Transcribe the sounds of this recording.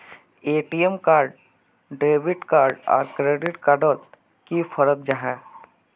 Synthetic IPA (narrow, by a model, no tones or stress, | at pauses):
eːʈiemkaːɾɖ | ɖɾeːbɪʈkaːɾɖɔ̰ːɾkɾeːɖɪʈkaːɾɖoːt̪ | kifʰəɾək̚d͡ʒaːɦɛː